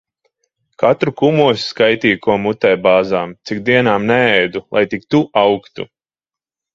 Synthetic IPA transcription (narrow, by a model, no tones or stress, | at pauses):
kat̪ɾukumuɔsskajt̪iːkuɔmut̪ɛjbaːzaːmt̪sikd̪iɛnaːmnɛɛjd̪ulˠʔa̰jt̪ik̚t̪uʔawkt̪ṵ